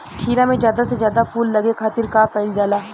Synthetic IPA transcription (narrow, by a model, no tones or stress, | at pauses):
kʰiːɾamẽzjaːd̪asezjaːd̪afuːlːɐɡekʰaːt̪ɪɾkaːpɐɪld͡ʒaːlaː